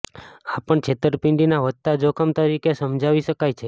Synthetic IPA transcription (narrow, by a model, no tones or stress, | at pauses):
apəɳt͡ʃʰet̪əɾpɪ̃ɳɖinaʋət̪t̪ːad͡ʒokʰəmt̪əɾikesəmd͡ʒʱaʋiʃəkajt͡ʃʰe